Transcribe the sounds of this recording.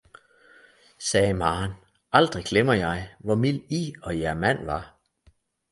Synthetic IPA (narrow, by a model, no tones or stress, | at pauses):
sɛːmɑːn | ʔɑ̈ld̥ʁiɡ̥lemɐjɑ̈ɪʋɒmil̰iɒ̽jæɐmæn̰ʋɑ̈